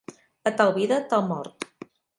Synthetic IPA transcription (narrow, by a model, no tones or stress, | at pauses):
ət̪alˠβiðət̪alˠmɔɾt̪